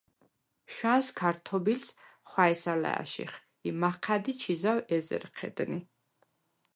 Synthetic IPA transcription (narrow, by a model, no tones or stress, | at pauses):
ʃwanskʰaɾt̪ʰɔbilsχwaɛsala̰a̰ʃḭχ | imaqʰad̪it͡ʃʰizawɛzɛ̰ɾqʰɛ̰d̪̥ni